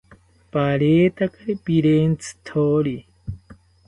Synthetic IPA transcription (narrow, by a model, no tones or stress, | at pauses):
paɾeːt̪akaɾepiɾent͡si̥t̪ʰoːɾi